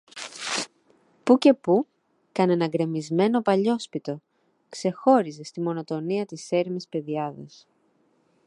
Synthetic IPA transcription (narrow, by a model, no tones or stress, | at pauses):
puce̞pu | kɐnenɐɡɾe̞mizme̞no̞pɐʎo̞spit̪o̞ | kse̞xo̞ɾize̞st̪imo̞no̞t̪o̞niɐt̪ise̞ɾimispe̞ðiɐðɐ̰s